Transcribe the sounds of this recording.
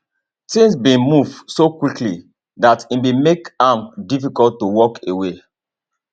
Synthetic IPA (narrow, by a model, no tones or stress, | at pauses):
tĩŋsbĩnmuvsokwikli | datĩnbimekãmdifikɔltːuwɔkʰewe